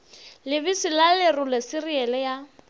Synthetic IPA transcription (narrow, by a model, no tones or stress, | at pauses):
lɪbisilalɪrʊlɛsɪriɛlɛja